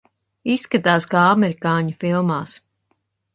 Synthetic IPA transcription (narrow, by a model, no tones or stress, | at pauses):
isːkat̪aːskaamɛɾikaːɲufilˠmaːs